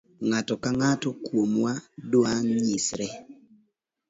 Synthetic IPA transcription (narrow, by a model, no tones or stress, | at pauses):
ŋatɔkaŋatɔkwomwadwaŋɲisɾɛ